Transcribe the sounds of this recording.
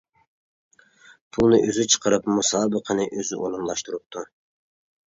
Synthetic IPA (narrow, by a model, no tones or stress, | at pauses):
pʰulˠnɨʔøzyt͡ʃʰə̥qʰəɾɨpmusɑːbɨqʰɑnɨʔøzy̰ʔonɑnlˠɑʃt̪uɾup̚t̪ʰu